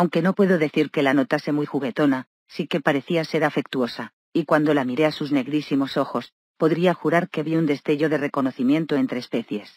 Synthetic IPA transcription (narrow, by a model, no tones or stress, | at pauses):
awŋke̞no̞pwe̞ðo̞ðe̞θiɾke̞lano̞t̪ase̞mujxuɣe̞t̪o̞na | sike̞paɾe̞θiase̞ɾafe̞k̚t̪uo̞sa | ikwand̪o̞lamiɾe̞asuzne̞ɣɾisimo̞so̞xo̞s | po̞ðɾiaxuɾaɾkeβiund̪e̞st̪e̞ʝo̞ðere̞ko̞no̞θimje̞nt̪oe̞nt̪ɾeːspe̞θje̞s